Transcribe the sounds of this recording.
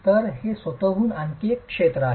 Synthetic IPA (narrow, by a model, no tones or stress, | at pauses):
t̪əɾɦesʋət̪əɦuːnaŋkekːʂet̪ɾəaɦ